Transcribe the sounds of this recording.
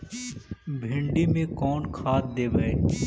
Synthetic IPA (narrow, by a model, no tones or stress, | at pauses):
bʱɪ̃ɳɖimẽkɔːnkʰaːt̪̚d̪eːbəeː